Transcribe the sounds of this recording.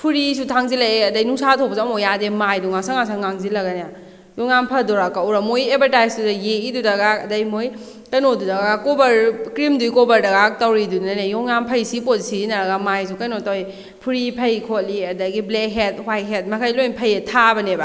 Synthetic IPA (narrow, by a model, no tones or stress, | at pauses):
pʰuɾisutʰaŋzilaeɐdɐjnuŋsatʰobɐsmojademajduŋasaŋasaŋaŋzilɐɡanaja | jɔŋnampʰɐdɔɾakauɾamojebɐɾtajsdudɐjeidudɐɡaɐdɐjmoj | kɐnodudɐɡakobɐɾkɾimdujkobɐɾdɐɡatɐwɾidunanejɔŋnampʰɐjsipozisizinɐɾɐɡamajs̬ukɐjnotawj | pʰuɾipʰɐjkʰotliɐdɐɡiblek̚ɦet̚hwaj̚ɦet̚mɐkʰajlojnpʰɐjetʰabɐneba